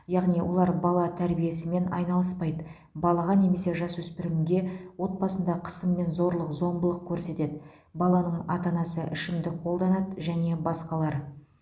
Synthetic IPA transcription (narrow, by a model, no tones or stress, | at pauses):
jɑʁnijwo̞̰lˠɑɾbɑlˠɑt̪ʰæɾbije̞sɪme̞nɑ̰jnɑlˠəspɑjd̪ə | bɑlˠɑʁɑne̞me̞se̞ʒɑswɵspɪɾɪmɡʲe̞wo̞t̪̚bɑsənd̪ɑqʰə̥səmːe̞nzo̞ɾlˠəqzo̞mbəlˠəq̚kʲʰɵɾse̞t̪e̞d̪ɪ | bɑlˠɑnəɴɑ̰t̪ɑnɑsəʔɪʃɪmd̪ɪqʰo̞lˠd̪ɑnɑd̪ʒæne̞bɑsqɑlˠɑɾ